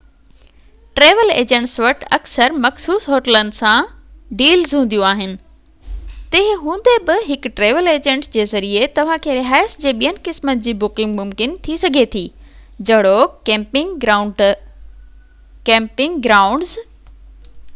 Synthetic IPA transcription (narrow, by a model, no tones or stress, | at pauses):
ʈɾeːʋəleːd͡ʑə̃ɳʈsʋɐʈɐksəɾmɐxsuːsɦoːʈələnɪ̆sãɖiːlzɦũːn̆d̪ijũaːɦɪnɪ̆ | t̪eːɦɪɦũːn̆d̪ebɪɦɪkʈɾeːʋəleːd͡ʑə̃ɳʈsd͡ʑeːzɐɾiet̪ɐʋ̤ãkʰeːɾɪɦaːɪsd͡ʑeːɓijənɪ̆kɪsmənd͡ʑiːbʊkɪ̃ŋɡmʊmkɪnt̪ʰisɐɡʱet̪ʰiːd͡ʑɐɽoɪŋɡ | kɛ̃ːmpɪ̃ŋɡɡɾaːʊ̃ɳɖz